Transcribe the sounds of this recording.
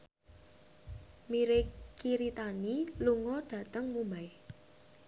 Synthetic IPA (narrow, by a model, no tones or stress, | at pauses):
miɾɪkiɾit̪aniluŋɔɖ̥ä̤t̪əŋmumaj